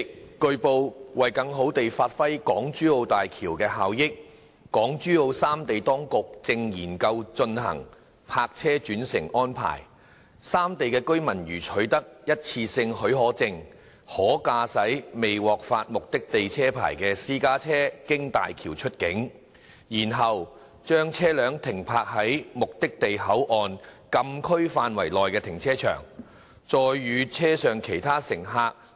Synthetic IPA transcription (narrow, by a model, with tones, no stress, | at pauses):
kːɵ˧ɥpo˧wwɐ˨jkɐ˧ŋɦo˨˥wt̪e˨jfaː˧t̚fɐ˥jkɔː˨˥ŋt͡ʃyː˥o˧wt̪aː˨jkʰiː˨˩wkɛː˧ɦaː˨wjɪ˥k̚ː | ɔː˨˥ŋt͡ʃyː˥o˧wsaː˥mt̪e˨jt̪ɔː˥ŋkʊ˨k̚t͡sɪ˧ŋjiː˨˩nkɐ˧wt͡ʃɵ˧nhɐ̰˨˩ŋ | pʰaː˧k̚t͡sʰɛː˥t͡ʃyː˨˥nsɪ̰˨˩ŋɔː˥npʰa̰ː˨˩j | saː˥mt̪e˨jkɛː˧kɵ˥ɥmɐ˨˩nɥyː˨˩t͡ʃʰɵ˨˥ɥt̪ɐ˥k̚jɐ˥t̚t͡sʰiː˧sɪ˧ŋhɵ˨˥ɥɦɔː˨˥t͡sɪ˨˧ŋ | hɔː˨˥kaː˧sɐ˨˥jme˨jwɔː˨k̚faː˧t̚mʊ˨k̚t̪ɪ˥k̚t̪e˨jt͡sʰɛː˥pʰa̰ː˨˩jkɛː˧siː˥kaː˥t͡sʰɛː˥kɪ˥ŋt̪a̰ː˨jkʰiː˨˩wt͡ʃʰɵ˥t̚kɪ˨˥ŋ | jiː˨˩nɦɐ˨w | t͡ʃœː˥ŋt͡sʰɛː˥lœː˨˥ŋt̪ʰɪ˨˩ŋpʰaː˧k̚hɐ˨˥jmʊ˨k̚t̪ɪ˥k̚t̪e˨jɦɐ˨˥wʔɔː˨˧nkɐ˧mkʰɵ˥ɥfaː˧nwɐ˨˩jlɔː˨jkɛː˧t̪ʰɪ˨˩ŋt͡sʰɛː˥t͡ʃʰœ̰ː˨˩ŋ | t͡ʃɔː˨˧jɥyː˨˧t͡sʰɛː˥sœː˨ŋkʰe˨˩jt̪ʰaː˥sɪ˨˩ŋɦaː˧k̚